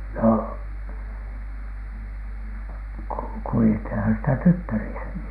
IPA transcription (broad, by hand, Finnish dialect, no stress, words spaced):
no ku kuliethinhɑn sitæ tytːærisæki